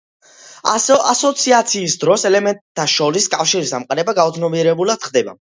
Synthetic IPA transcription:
asɔt̪sʰiat̪sʰiːsd̪ɾɔsɛlɛmɛnt̪ʼʰːaʃɔɾiskʼafʃiɾisamqʼaɾɛbaɡaut̪sʰnɔbiɛɾɛbulad̪̥χd̪ɛba̰

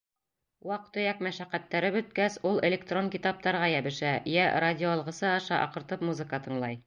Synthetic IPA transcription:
wɑqt̪ɵ̆jækmæʃæqːæt̪ːæɾɘbɵ̆t̪̚kæsulˠelʲek̚t̪roŋkʲit̪ɑp̚t̪ɑɾʁɑjæbɘ̆ʃæjæradʲɪoɑlˠʁɤ̆sɤɑʃɑʔɑ̰qɤ̆ɾt̪ɤpmuzɨkət̪ɤ̆ɴlˠɑj

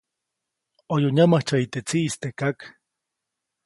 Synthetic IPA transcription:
ojoɲamaht͡ʃait̪et͡siʔist̪ekak

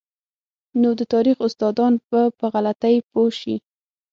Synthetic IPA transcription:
nod̪ət̪ɑɾixʊst̪ɑd̪ɑnpəpəɣalat̪ajpoʃi

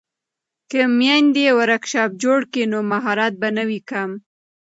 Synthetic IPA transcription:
kəmjand̪ewaɾakʃɑp̚d͡ʒoɽkenomaɦɑɾat̪̚banawikam

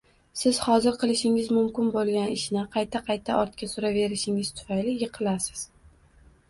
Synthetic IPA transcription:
sɪz̥hɒzɪɾqʰɨlˠɪʃɪŋɪzmʊmkʲɪnbolˠɡʲanɪʃnɪqʰɑjt̪ʰaqʰɑjt̪ʰaʔɒɾt̪̚kʲasʊɾave̞ɾɪʃɪŋɪz̥t̪ʰʊ̥fajlɪjɨqʰɨlasɪ̥z̥

